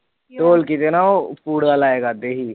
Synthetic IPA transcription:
t̪oːlkit̪enaopuːɽalaːeːɡad̪eɦiː

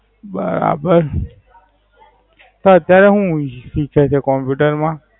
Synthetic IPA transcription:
bə̰ɾa̰bəɾ | t̪oət̪jaɾeɦũʃikʰat͡ʃʰekɔmpjuʈəɾmã

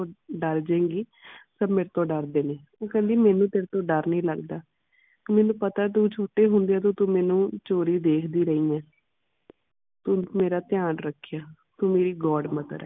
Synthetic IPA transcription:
oɖəɾd͡ʒẽːŋɡiː | səbmeːɾt̪õːɖəɾd̪eːneː | õːkɛ̃ːnd̪iːmɛːnũːt̪eːɾt̪õːɖəɾnĩːləɡd̪aː | mɛːnũːpət̪aːt̪̬ũːt͡ʃʰoːʈeːɦʊnd̪eɛːt̪õːt̪ũːmɛːnũːt͡ʃoːɾiːd̪eːkʰd̪iːɾəiːɛ̃ː | t̪uːmeːɾaːt̪ɪjaːnɾəkʰːjaː | t̪ũːmeːɾiːɡɔːɖmət̪ɾɛ̰ː

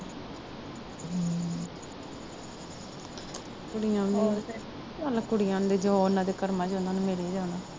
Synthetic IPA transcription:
kʊɽɪjãːni | alkʊɽɪjãːnd̪eːd͡ʒoːnãːd̪eːkəɾmãːd͡ʒõːnd̪aːnmeːleed͡ʒaːnaː

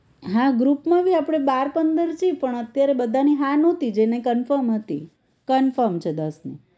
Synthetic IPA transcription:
ɦãɡɾupmãʋiapɽ̃ebaɾpənd̪əɾd͡ʒipəɳət̪jaɾebəd̪ʱaniɦãnɔ̃t̪id͡ʒenekənfəɾmɦət̪ḭ | kənfəɾmt͡ʃʰed̪əsnḭ

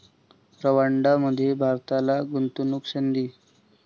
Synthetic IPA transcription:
ɾəʋaɳɖaməd̪ʱːjebʱaɾt̪alaɡunt̪unukɕənd̪iː

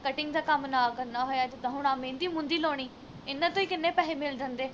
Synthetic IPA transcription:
kəʈɪŋɡd̪aːkəmnaːkəɾnaːɦoːjaːd͡ʒɪd̪ãːɦʊɳaːmẽːɪnd̪iːmʊ̃nd̪iːloːɽ̃iː | ɪnːãːt̪õːiːkɪnːẽːpɛːɦeːmɪld͡ʒə̃nd̪eː

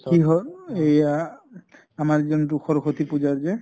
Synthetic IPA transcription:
kiɦɔeja | amaɹezɔndukʰɔɹxʰot̪ipud͡ʒaɹzɛ

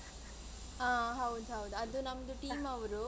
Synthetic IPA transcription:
aːɦɐwud̪uɦɐwud̪uɐd̪unɐmɐd̪uʈiːmɐʋɐɾu

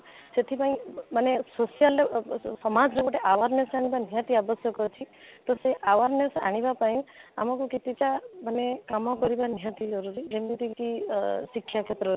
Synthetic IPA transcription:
set̪ʰipaĩmanesosijalesɔmad͡ʒɾekɔʈeʔawaɾnesaɽ̃ibanijãt̪iabɔsjɔkɔt͡ʃʰit̪ɔseʔawaɾnesaɽ̃ibapaĩa̰mɔkuket̪iʈamanekamɔkɔɾibanijãt̪id͡ʒɔɾuɾid͡ʒemit̪ikisikʰːjakʰet̪ɾɔ

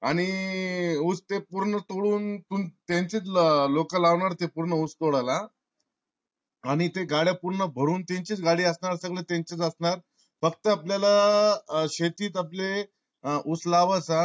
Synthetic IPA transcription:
aɽ̃i | ut͡st̪epuɾɳət̪oɽuːnt̪uːnt̪ẽɲt͡sit͡slokalaʋɳaɾt̪epuɾɳəut͡st̪oɽala | aɽ̃it̪eɡaɭjapuɾɳəbʱəɾuːnt̪ẽɲt͡ɕit͡sɡaɽiːəsɳaɾsəɡɭet̪ẽɲt͡ɕit͡səsnaɾ | fək̚t̪əapljala | ɕet̪iːt̪̬aple | ut͡slaʋəsa

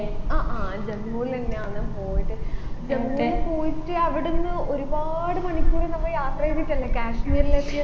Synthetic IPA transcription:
aːʔaːd͡ʑemːuːlt̪ɐnːeaːnːɨpo̞ːjiʈːɨd͡ʑemːlpo̞ːjitːɨɐʋiɽenːɨʔo̞ɾubaːɽɨmɐɳikʲːuːrenɐmːɐjaːt̪rɐjt̪ːitʲːɐlːɐkaːʂmiːrlep̪ʰːijɐ

